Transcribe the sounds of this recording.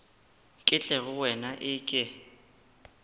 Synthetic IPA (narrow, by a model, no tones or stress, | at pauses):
kʼɪt͡ɬʼɛɣʊwɛnaʔɪkʼɪ